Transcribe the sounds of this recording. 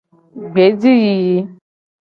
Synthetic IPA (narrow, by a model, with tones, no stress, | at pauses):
ɡ͡be˨˦d͡zi˦ji˧ji˨˧